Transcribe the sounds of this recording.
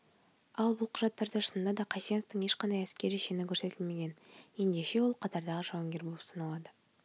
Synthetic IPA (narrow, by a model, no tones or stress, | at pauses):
ɑlˠbʊlˠqʰʊʒɑt̪ːɑɾd̪ɑɾəsənd̪ɑd̪ɑqʰɑsijenoft̪əɴe̞ʃqɑnd̪ɑjæskʲe̞ɾɪʃenɪkʲʰɵɾse̞t̪ʰɪlme̞ɡʲe̞nje̞nd̪e̞ʃe̞wo̞lˠqʰɑt̪ɑɾd̪ɑʁəʒɑwɑŋɡʲe̞ɾbolˠəpsɑnɑlˠɑd̪ə